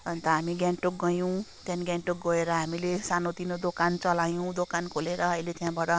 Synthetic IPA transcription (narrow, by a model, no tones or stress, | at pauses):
ʌnt̪ʌɦamiɡjaɳʈok̚ɡʌjow̃t̪janiɡʲjaɳʈok̚ɡʌeɾʌɦamilesanot̪inod̪okant͡sʌlajõw̃d̪okankʰoleɾʌʌilet̪jãbaʈʌ